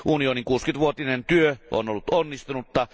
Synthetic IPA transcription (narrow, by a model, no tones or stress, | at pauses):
ʔunioniŋkuːskynt̪ʋuot̪inent̪yøʔo̰nolːut̪onːist̪unut̪ːɑ